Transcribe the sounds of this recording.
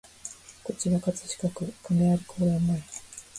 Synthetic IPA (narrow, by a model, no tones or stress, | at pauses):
ko̞t͡ɕiɾakat͡sɨ̥ɕi̥kakɯ̟kɯmeaɾɯ̟kʰoːɾanːai